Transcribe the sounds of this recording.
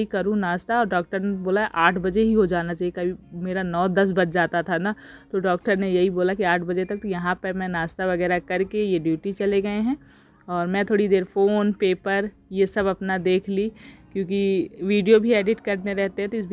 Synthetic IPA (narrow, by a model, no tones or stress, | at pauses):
ikɐɾũnaːst̪aɔːɾɖɔːk̚ʈəɾneboːlaʔaːʈʰbɐd͡ʒeɦiɦod͡ʒaːnat͡ʃaːɦiekɐbʱimeːɾanɔːd̪ɐs̬bɐd͡ʒ̚d͡ʒaːt̪at̪ʰanat̪oɖɔːk̚ʈəɾnejɐɦiboːlakiaːʈʰbɐd͡ʒet̪ɐk̚t̪ojɐɦãpɐɾmɛ̃naːst̪aʋɐɡɛːɾakɐɾkejeɖjuːʈit͡ʃɐleɡɐeɦɛ̃ː | ɔːɾmɛ̃ːt̪ʰoːɽid̪eːɾfoːnpeːpəɾjesɐbɐpnad̪eːkʰlikjõːk̬iʋiːɖijobʱieːɖɪʈkɐɾneɾɛɦt̪eɦɛ̃t̪oɪsbʱ